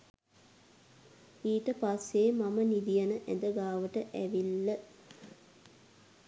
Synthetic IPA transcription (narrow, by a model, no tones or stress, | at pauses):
iːʈəpasːeːmamənid̪ijənəʔɛ̰nd̪əɡaːʋəʈəʔæʋilːə